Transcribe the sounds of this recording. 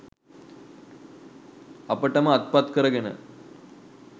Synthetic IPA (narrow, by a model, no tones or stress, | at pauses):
ɐpəʈːɐmɐɐt̪̚pɐt̪kəɾɐɡenə̰